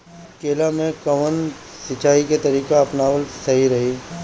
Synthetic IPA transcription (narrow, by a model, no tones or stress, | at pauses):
keːlamẽkɐʋən | sɪt͡ʃaːiket̪ɐɾiːkaɐpnaːʋəlsɐɦiɾɐɦiː